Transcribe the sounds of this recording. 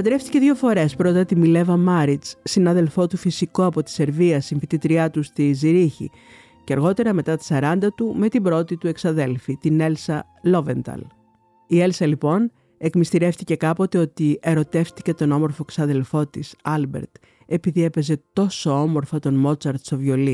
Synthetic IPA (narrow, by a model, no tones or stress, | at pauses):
ɐd̪ɾe̞ft̪i̥ce̞ðʝo̞fo̞ɾe̞spɾo̞t̪ɐt̪imile̞vɐmɐɾit͡ssinɐðe̞lfo̞t̪ufisiko̞ɐpo̞t̪i̥se̞ɾviɐsiɱfit̪it̪ɾiɐt̪ust̪iziɾiçḭ | ceɐɾɣo̞t̪e̞ɾɐme̞t̪ɐt̪i̥sɐɾɐnd̪ɐt̪ume̞t̪ibɾo̞t̪it̪ue̞ksɐðe̞lfit̪ine̞lsɐ | lo̞ve̞nt̪ɐ̰l | ie̞lsɐlipo̞n | e̞kmist̪iɾe̞ft̪ice̞kɐpo̞t̪e̞o̞t̪ie̞ɾo̞t̪e̞ft̪i̥ce̞t̪o̞no̞mo̞ɾfo̞eksɐðe̞lfo̞t̪isɐlbe̞̰ɾt̪ | e̞piðie̞pe̞ze̞t̪o̞so̞o̞mo̞ɾfɐt̪o̞nmo̞t͡sɐɾt̪st̪ovjo̞li